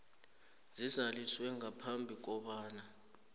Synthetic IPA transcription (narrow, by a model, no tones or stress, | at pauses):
zizaliswɛŋapʰambʱik̬ɔɓaːna